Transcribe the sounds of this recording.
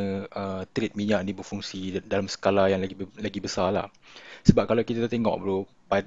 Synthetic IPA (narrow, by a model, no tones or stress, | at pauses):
əʔət̪ɾit̪̚miɲaʔnibərfuŋsidalamsə̥kalajaŋlailaɡibəsala̰hsəbap̚kalawkit̪at̪t̪eŋɔ̰ʔ̚bəlu | pa